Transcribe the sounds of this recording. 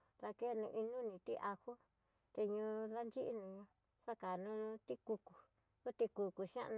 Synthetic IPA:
ða˧ke˦˧nũ˧ʔi˧nũ˦nĩ˧t̪i˦ʔa˧ho˦ | t̪e˧ɲũ˧ða˦nd͡ʒi˦ʔi˦nũ˧ɲũ˧ | ʂa˦ka˨nũ˧t̪i˦ku˧ku˨ | u˦t̪i˧ku˧ku˨ʃã̰˦ʔñ˧

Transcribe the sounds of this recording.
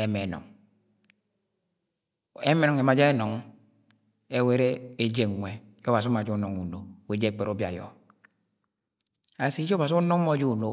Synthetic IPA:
e˦me˨nɔ̰˨ŋ | e˦me˦nɔ˨ŋe˨ma˨d͡ʒe˦e˦nɔ˨ŋ | e˦we˦ɾe˦e˦d͡ʒe˦˨ŋ˨ŋʷe˨˦ɔ˦ba˨s̬i˦ma˨d͡ʒu˦nɔ˨ŋu˨no˨we˨d͡ʒe˦˨k͡pe˨ɾo˦bja̰˨jɔ̰˨ | a˨si˦d͡ʒɔ˦ba˨s̬i˦u˦nɔ˦mɔ˦d͡ʒi˦u˨no˦

